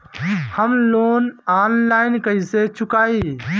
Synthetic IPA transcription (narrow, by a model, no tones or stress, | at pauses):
həmloːnaːnlaɪnkəiset͡ʃukai